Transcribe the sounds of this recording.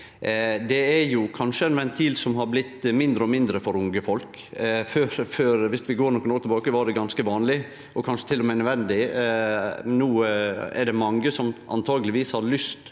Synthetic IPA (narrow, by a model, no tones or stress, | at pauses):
d̪ɛæɾjʊkʰɑnʂəɛnʋɛnt̪ʰiːlsɔmɦɑɾblɪt̪ːmɪnd̪ɾəɔmɪnd̪ɾəfɔɾʊŋɡəfɔlk | føːɾføːɾʋɪsʋɪɡoːɾnɔkːnɔːlt̪ʰɛbɑːkəʋɑɖɛɡɑnskəʋɑːnlɪ | ʔɔkʰɑnʂət̪ʰɪlːɔmɛɪnœʋɛnd̪ɪ | nuːɛ̰ɖɛmɑŋːəsɔmʔɑ̰nt̪ʰɑːɡəlɪʋiːshɑd̪lʏst̪